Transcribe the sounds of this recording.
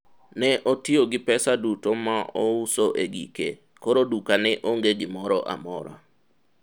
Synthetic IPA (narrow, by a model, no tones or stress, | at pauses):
nɛʔotioɡɪpɛsadutomaʔousoʔeɡḭke | koɾodukanɛʔoŋɡeɡɪmɔɾɔʔa̰mɔ̰ɾa̰